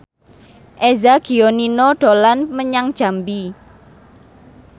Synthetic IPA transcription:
ʔezaɡ̥ioninoɖ̥olanməɲaŋd̥ʒ̥a̤mbi

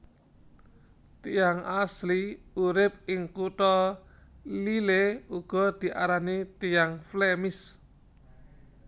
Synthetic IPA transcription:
t̪ijaŋasliuɾɪp̚ɪŋkuʈɔ | lileuɡ̥ɔ̤d̪̥i̤ʔa̰ɾanit̪ijaŋflemɪs

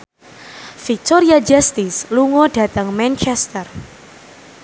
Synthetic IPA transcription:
fik̚t̪oɾiad͡ʒast̪isluŋɔɖ̥a̤t̪əŋmɛnt͡ʃɛst̪ər

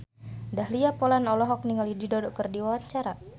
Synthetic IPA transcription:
dahliapolanɔlɔɦɔk̚niŋalididɔdɔkərdiwawaɲt͡ʃaɾa

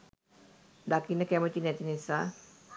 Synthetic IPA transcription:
dakinəkɛmət͡ʃinɛt̪inesa

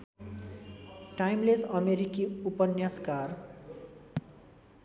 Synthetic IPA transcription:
ʈajmlesʌmeɾikiupʌnjaskar

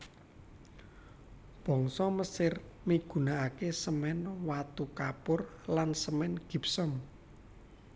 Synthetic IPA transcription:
b̥ɔ̤ŋsɔməsɪrmiɡ̥ṳnaakesəmɛnwat̪ukapʊrlansəmɛnɡ̥i̤p̚sɔm

